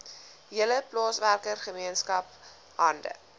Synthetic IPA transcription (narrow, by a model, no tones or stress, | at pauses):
ɦiələplɑːsværkərχəmiənskɐp̚ | ɦɐndə̰